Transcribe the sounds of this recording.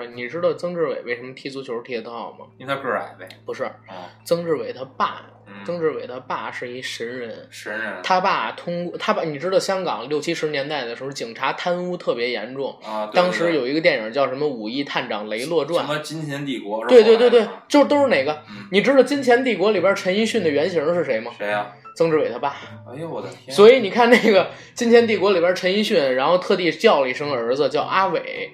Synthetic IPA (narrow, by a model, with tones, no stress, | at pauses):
ni˨˩ʈ͡ʂɻ̩˥d̪ə˨˧t͡sɤ˥ŋʈ͡ʂɻ̩˥˩wḛ˨˩ɪwe˥˩ɪʂə˧˥mə˧t̪ʰi˥t͡su˧˥t͡ɕʰjo˧˥t̪ʰɛ˧˥t̪ɑ˥˩ʊmɐ̰˩˥˧a̰˧˩˧pu˧˥ʂɻ̩˥˩t͡sɤ˥ŋʈ͡ʂɻ̩˥˩we˨˩ɪt̪ʰa˥pa̰˥˩ | t͡sɤ˥ŋʈ͡ʂɻ̩˥˩we˨˩ɪt̪ʰa˥pa˥˧ʂɻ̩˥˩i˧˥ʂə˧˥nɻə˧˥nnə˧˥˧t̪ʰa˥pa˥˩t̪ʰʊ˥ŋkwɔ˥˧t̪ʰa˥pa˥˩ni˨˩ʈ͡ʂɻ̩˥d̪ə˨˧ɕjɑ˥ŋkɑ̰˨˩˦ŋljo˥˩ʊt͡ɕʰi˥ʂɻ̩˧˥njɛ˧˥nt̪a˥˩ɪd̪ə˩ʂɻ̩˧˥˩t͡ɕi˨˩ŋʈ͡ʂʰa˧˥t̪ʰa˥nu˥t̪ʰɤ˥˩pjɛ˧˥jɛ̰˧˥nʈ͡ʂʊ˥˩ŋt̪ɑ˥ŋʂɻ̩˧˥jo˨˩ʊi˧˥ɡə˧t̪jɛ˥˩nə̰˞˨˩t͡ɕjɑ˥˩ʊʂə˧˥mə˧u˨˩i˥˧t̪ʰa˥˩nʈ͡ʂɑ̰˨˩ŋle˧˥ɪlwɔ˥˧ʈ͡ʂwa˥˩˧t͡ɕi˥nt͡ɕʰjɛ˧˥nt̪i˥˩kɔ˧˥twe˧ɪt̪we˧t̪wtwe˥˩ɪt͡ɕjo˥˧ʊ˥t̪̬o˥ʊʂɻ̩˥˩ne˨˩ɪɡə˦˧ni˨˩ʈ͡ʂɻ̩˥d̪ə˨˩t͡ɕi˥nt͡ɕʰjɛ˧˥nt̪̬i˥˩kwɔ˧˥li˨˩bjə˥˧ʈ͡ʂʰə˧˥ni˥ɕy˥˩nd̪ə˩ɥɛ˧˥nɕ̬i˧˥ʂɻ̩˥˩ʂe˧˥ɪmə˧˥t͡sɤ˥ŋʈ͡ʂɻ̩˧˥we˨˩ɪt̪ʰa˥pa˥˩˨ | swɔ˧˥i˧˥ni˨˩kʰa˥˧nne˥˩ɪɡə˩ | t͡ɕi˥nt͡ɕʰjɛ˧˥nt̪̬i˥˩kwɔ˧˥li˨˩bja˥ʈ͡ʂʰə˧˥ni˥ɕy˥˩nɻa˧˥nxo˥˧ʊt̪ʰɤ˥˧t̪i˥˩˥t͡ɕ̪jɑ˥˧˩ʊli˨˥˩ʂɤ˥ŋd̪əə˞˧˥d͡z̩˧t͡ɕjɑ˥˩ʊʔa˥we˨˩˦ɪ